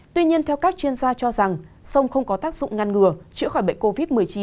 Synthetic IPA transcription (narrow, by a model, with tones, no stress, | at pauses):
t̪wi˧ɲi˧ənt̪ʰɛ˧wkaː˦˥k̚t͡ɕwi˧ənzaː˧t͡ɕɔ˧za˨˩ŋsə˧wŋ͡mxə˧wŋ͡mkɔ˨˦t̪aː˦˥k̚zʊ̰˧˨ŋ͡mŋa˧nŋɨ˨˩ət͡ɕɨ̰˧˥xɔ˧˩jɓ̰ŋ̟ko˧vi˦˥t̚mɨ˨˩əjt͡ɕi˨˦